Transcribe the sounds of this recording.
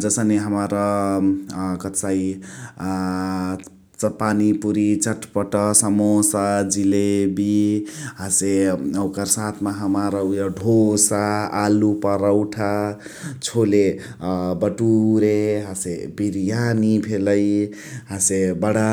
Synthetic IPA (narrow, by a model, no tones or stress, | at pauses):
d͡zʌsəneɦəmaɾʌ | kʌsai | t͡spanipuɾit͡sʌʈpʌʈʌsʌmosad͡zilebiɦaseʌwkəɾsat̪ʰmaɦəmaɾʌujaɖʱosaalupʌɾʌwʈʰa | t͡sʰole | bʌʈuɾeɦãsebiɾjanibʰʱeləj | ɦãsebʌɽa